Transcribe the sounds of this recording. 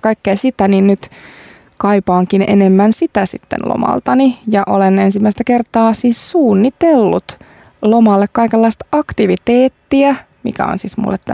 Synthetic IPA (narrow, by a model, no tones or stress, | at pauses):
kɑikːeːsit̪æninnyt̪ | kɑipɑːŋkinḛnemːænsit̪æsḭt̪ːḛnlo̰mɑ̰lt̪ɑnijɑʔolenensimːæist̪ækert̪ɑːsiːssuːnːit̪elːut̪ | lomɑlːekkɑikelːɑist̪ɑkt̪iʋit̪eːt̪ːiæ | mḭkæ̰o̰nsiːsmṵlːḛt̪t̪ːæ̰